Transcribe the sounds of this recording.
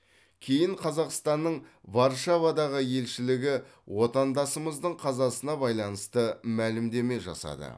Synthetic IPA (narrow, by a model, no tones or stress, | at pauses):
kʲʰe̞jɪɴqʰɑzɑqst̪ɑnːəɴvɑɾʃavɑd̪ɑʁəje̞lʃɪlɪɡʲɪ | wo̞t̪ɑnd̪ɑsəməzd̪əɴqʰɑzɑsənɑbɑjlˠɑnəst̪əmælɪmd̪e̞me̞ʒɑ̰sɑ̰d̪ə̰